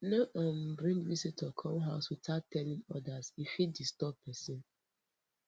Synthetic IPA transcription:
nʊ̃ʔɔ̃m̩bɾĩndwisitʰɔkʰɔ̃mɦaʊsutʰatʰɛlɪ̃ŋɔdazifidistɔp̚pʰɛsĩn

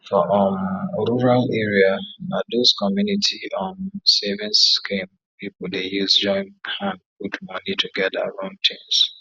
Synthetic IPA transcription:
fɔʔɔnɹuɹalɛɹiaadoskɔmjunitʰiɔ̃nsevɛ̃nskẽm | pipodejuzd͡ʒɔ̃ɪ̃nhãnɡudmɔnitʰuɡɛdaa̰ɹãʊ̃ntʰĩms

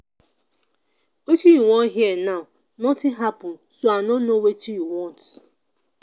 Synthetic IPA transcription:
ot͡ʃijiwɔ̃ɦiɛnaʊ | nɔtɪ̃ɦapʊnsoanɔnnowetijiwɔ̃nt

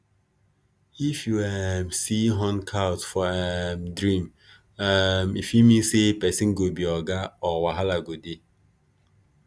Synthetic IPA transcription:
ifjuɛmsiɦɔ̃nkʰawtfɔɛmdɾĩm | amifimĩsepɛsĩnɡobiɔɡaɔwaɦalaɡode

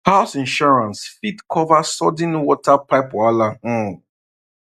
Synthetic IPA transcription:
haʊsĩnʃɔɹãnsfitkʰɔvasɔdĩnwɔtʰapaɪpala

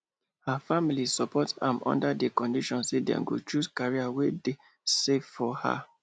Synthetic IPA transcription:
hafamilisɔpɔtã̰mɔ̰̃ndadekɔ̃ndiʃɔ̃nsedɛ̰̃mɡo̰t͡ʃuskaɹiawede | seffɔha̰

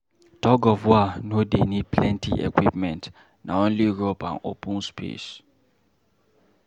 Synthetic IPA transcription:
tɔɡɔvwanodenid̚pʰlɛ̃ntʰḭʔḛkwipmɛ̃nt | na̰õnliɹopã̰no̰pʰũnspʰḛs

